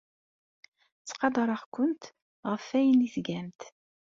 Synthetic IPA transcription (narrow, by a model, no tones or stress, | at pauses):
t͡sːqɑd̪ˤɑɾˤɑʁkʊnt̪ | ʁəfæjəniθɡæmt̪